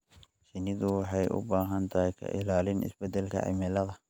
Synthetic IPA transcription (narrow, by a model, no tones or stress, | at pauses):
sɪnɪðʊwɑħɑjʔʊ̰baːɦɐnt̪ʰɐhɛkʰɐ̰ʔɪlaːlɪnʔɪ̰sbɛd̪ɛlkʰɐ̰ʕɪ̰mɪlɐðɐ